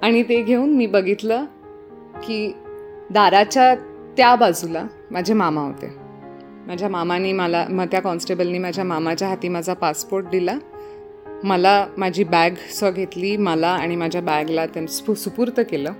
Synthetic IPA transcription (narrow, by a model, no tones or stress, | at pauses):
aɽ̃it̪eɡʱeuːnmiːbəɡʱit̪ləː | kiːd̪aɾat͡ɕja | t̪jabad͡zʱula | mad͡ʑʱemamaɦo̰t̪ḛ | mad͡ʑʱjamamaniːməla̰mət̪jakɔnsʈebəlniːmad͡ʑʱjamamat͡ɕjaɦat̪iːmad͡zʱapaspoɾʈ̚d̪ila | məlamad͡ʑʱiːbaɡsʋəɡʱet̪liːməlaaɽ̃imad͡ʑʱjabaɡlat̪ansusupuɾt̪əkeləː